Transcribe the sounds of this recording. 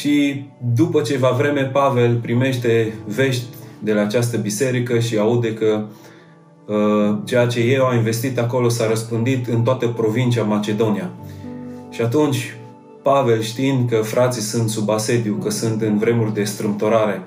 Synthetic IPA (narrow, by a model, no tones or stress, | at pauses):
ʃid̪upət͡ʃe̞vavɾe̞me̞pave̞lpɾime̞ʃt̪e̞ve̞ʃt̪ʲd̪e̞laːt͡ʃast̪əbise̞ɾikəʃiaud̪e̞kə | ət͡ʃe̞jat͡ʃe̞je̞aminve̞st̪it̪ako̞lo̞saɾəspɨnd̪it̪ɨnt̪oat̪əpɾo̞vint͡ʃamat͡ʃe̞d̪o̞nia | ʃiat̪unt͡ʃʲ | pave̞lʃt̪iind̪kəfɾʔat̪sisunt̪subase̞d̪iukəsunt̪ɨnvɾe̞murʲd̪e̞st̪ɾɨmpt̪o̞ɾaɾe̞